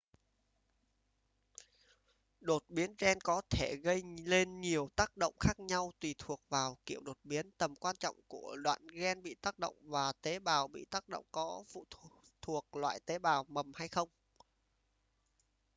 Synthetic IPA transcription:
ɗo˨˩t̚ɓi˨˦ənzɛ˧nkɔ˨˦t̪ʰe˧˩ɣə˧jle˧nɲi˨˩əwt̪aː˦˥k̚ɗo̰˧˨wŋ͡mxaː˦˥k̚ɲa˧wt̪wi˨˩t̪ʰu˨˩ək̚vaː˨˩wkḭ˧˩˨əwɗo˨˩t̚ɓi˨˦ənt̪ə˨˩mkwaː˧nt͡ɕɔ̰˧˨wŋ͡mku˧˩əɗwa̰ː˧˨nɣɛ˧nɓḭ˧˨t̪aː˦˥k̚ɗə̰˧˨wŋ͡mvaː˨˩t̪e˨˦ɓaː˨˩wɓḭ˧˨t̪aː˦˥k̚ɗə̰˧˨wŋ͡mkɔ˨˦fṵ˧˨t̪ʰu˨˩ək̚lwa̰ː˧˨jt̪e˨˦ɓaː˨˩wmə˨˩mha˧jxə˧wŋ͡m

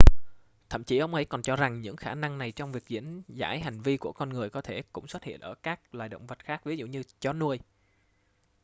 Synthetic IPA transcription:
t̪ʰə̰˧˨mt͡ɕi˨˦ʔə˧wŋ͡mʔə˨˦jkɔ˨˩nt͡ɕɔ˧za˨˩ŋɲɨ̰˧˥ŋxaː˧˩na˧ŋna˨˩jt͡ɕɔ˧wŋ͡mvi˨˩ək̚zḭ˧˥ənza̰ː˧˥jɦa˨˩jŋ̟vi˧ku˧˩əkɔ˧nŋɨ˨˩əjkɔ˨˦t̪ʰe˧˩kʊ̰˧˥ŋ͡mswt̚hḭ˧˨ənʔəː˧˩kaː˦˥k̚lwa̰ː˧˨jɗə̰˧˨wŋ͡mvə˨˩t̚xaː˦˥k̚vi˨˦zṵ˧˨ɲɨ˧t͡ɕɔ˨˦nu˧əj

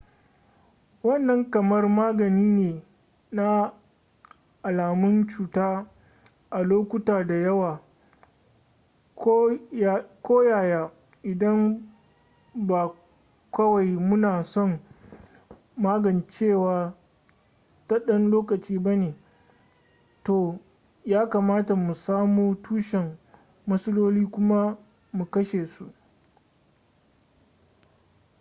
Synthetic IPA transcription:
wɐ˦˨nːɐ˦ŋkɐ˨mɐ˦rmaː˦ɡɐ˨niː˦neː˨ | na˦ | ʔa˨laː˨mʊ˦nt͡ʃuː˨taː˦ | ʔa˨loː˦kʷʊ˦taː˨da˨jɐ˦waː˨ | kː | kʷoː˦jaː˨jaː˦ | ʔɪ˨dɐ˦m | ba˨ | kʷɐ˦wa˨jmʊ˦naː˨sɔ˦˨ŋ | maː˦ɡɐ˨nt͡ʃeː˦˨waː˨ | ta˦ɗɐ˦nloː˦kɐ˨t͡ʃiː˦bɐ˦neː˨ | toː˨ | jaː˦kaː˨maː˦ta˨mu˨saː˦muː˦tuː˦ʃɛ˨mː | ɐ˦sɐ˦loː˦liː˦kʷʊ˦ma˦ | mu˨kɐ˦ʃeː˨su˦ʔ

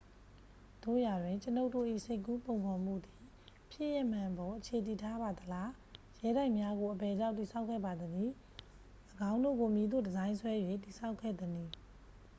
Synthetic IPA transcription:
d̥o̰˦˨ja˨dwɪ̃˨ɲt͡ɕəno˦ʊʔtːo̰˦˨ʔḭ˦˨sʰe˦ɪkːu˦põ˨ʊ̃ŋkʰɔ̃˨m̥ṵ˦˨d̪i˨ | pʰjɪ̰˦ʔjɛ˦˨m̥ã˨bɔ˨ʔət͡ɕʰe˨t̪̬i˨tʰa˦ba˨d̪əla˦ | jɛ˦ɾa˦ɪʔmja˦ɡo˨ʔəbɛ˨d͡ʑã˦ʊ̃ti˨sʰa˦ʊʔkʰːɛ̰˦˨ba˨d̪əli˨ | ʔəɡã˦ʊ̃ndo̰˦˨ɡo˨mji˨d̪o̰˦˨dəzã˦ɪ̃nsʰwɛ˦jwe˦˨ti˨sʰa˦ʊkʰɛ̰˦˨d̪ə˨ni˨

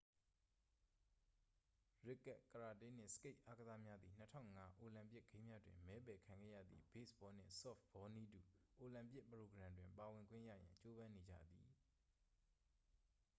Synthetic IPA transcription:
ɹɪ˦kːɛ˦ʔkːəɹa˨tɪ̃˦n̥ɪ̰̃˦˨sə̥ke˦ɪʔa˦ɡəza˦mja˦d̪ði˨n̥ətʰã̰˦˨ŋa˦ʔo˨lã˨mpjɪ˦ʔɡ̥ẽ˦ɪ̃mja˦dwɪ̰̃˨mmɛ˨˦pɛ˨kʰã˨ŋɡɛ̰˦˨jä̰˦˨d̪ðḭ˦˨be˦˨sbɔ˦n̥ɪ̰̃˦˨sɔ̰˦˨fb̥ɔ˨˦ni˦dṵ˦˨ʔo˨lã˨mpjɪ˦ʔpəɹo˨ɡəɾã˨ndwɪ̃˨mpa˨wɪ̃˨ŋɡwɪ̰̃˦˨jä̰˦˨jã̰˨ɲt͡ɕo˦bã˦ne˨d͡ʑä̰˦˨d̪ði˨

